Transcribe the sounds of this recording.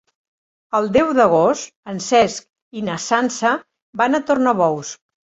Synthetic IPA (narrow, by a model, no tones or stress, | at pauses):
əlˠd̪ɛwðəɣ̞ost̪ənsɛsk̚ | inəsansə | banət̪ornaβɔws